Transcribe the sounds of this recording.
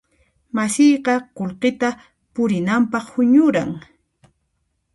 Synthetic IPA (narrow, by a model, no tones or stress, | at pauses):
masɪjqɑqolqɪt̪a | pʊɾɪnampɑχhʊɲʊɾaŋ